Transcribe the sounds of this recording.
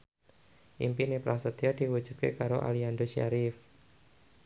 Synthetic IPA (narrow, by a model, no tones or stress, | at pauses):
ʔimpinepɾʔasət̪iad̥iwu̥d͡ʒ̥u̥t̪̚kḛkaɾo̰ʔa̰liandoʃia̰ɾif